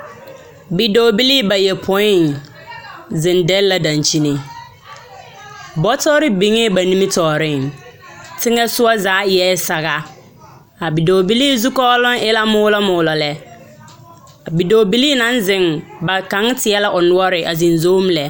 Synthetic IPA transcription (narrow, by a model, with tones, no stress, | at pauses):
bi˨doː˨bi˦li˦ba˨jɛ˨pʰɔ˦ɪ˦n | zɪ̃˨ndɛ˦lla˨dã˨nt͡ʃi˦nɪ̃˨ | bɔ˦tɔː˦ɾɪ˦bĩ˨˦ŋɛ˦ba˨nĩ˦mĩ˦tʰɔː˨ɾɪ˦˨ŋ | tʰɪ˦ŋɛ˦sʊ˦a˦zaː˨˦jɛ˦sa˨ɣa˦ | a˨bi˨doː˨bi˦li˦zu˦kɔ˦lʊ̃˦nɪ˦la˦mʊː˦lɔ˦mʊː˨lɔ˨lɛ˨ | a˨bi˨do˨bi˦li˦nã˦n˦zɪ̃˨ŋba˨kã˨˦ŋ˦tʰɪ˨ɛ˦la˦ʔɔ˨nʊ˦ɔ˦ɾɪ˨ʔa˨zĩ˨nzo˦m̩˦lɛ˨